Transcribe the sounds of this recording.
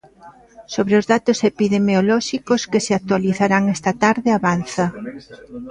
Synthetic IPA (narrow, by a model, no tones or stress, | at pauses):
soβɾeozðat̪ʊsepiðemeolɔʃikoskeseak̚t̪waliθaɾaŋɛst̪at̪aɾðeaβanθɐ